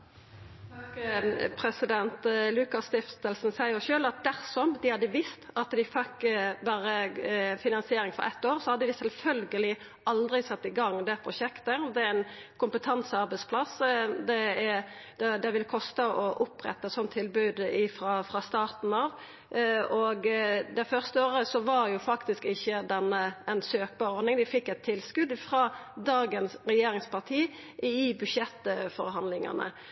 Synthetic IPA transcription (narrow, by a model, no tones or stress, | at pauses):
ɑkpʰɾɛsɪd̪ɛnt̪lʉkɑst̪ɪft̪əlsnsæɪəʃøːlɑt̪̚d̪æɾsɔmd̪ɪhɑd̪ːəʋɪst̪ɑt̪d̪ɪfɛkbæːɾəfɪnɑnsɪeːɾɪŋfɔ̰ɾɛ̰t̪ːoːʁsɔhɑd̪ːəd̪ɪsɛlfœlɡəlɪ | ʔɑld̪ʁɪsɑt̪ːɪɡɑŋːd̪ɛpʰɾʊʃɛkt̪əd̪ɛæænkʰʊmpət̪ʰɑnsəɑɾbɛɪtspʰlɑsd̪ɛɛd̪̥ɛd̪ɛʋɪlkʰɔst̪əʔɔʔʊpʁɛ̰t̪ːəɛsɔnt̪ʰːɪlbʉːd̪ɪfʁɑfɾɑst̪ɑːʁt̪n̩ɑːʋ | ɔɡd̪æfœʁst̪əoːɾəsɔʋɑɾjʊfɑkt̪ɪskɪçːəd̪ɛnːəɛnsøːk̚bɑːɾɔɾd̪nɪŋd̪ɪfɪkːɛɪt̪ʰːɪlskʉd̪fɾɑːd̪ɑːɡənsɾɛjeːɾɪŋspɑʁt̪ʰiː | ʔɪbʉʃɛt̪ːfɔɾɦɑnd̪lɪŋɑ̰nə̰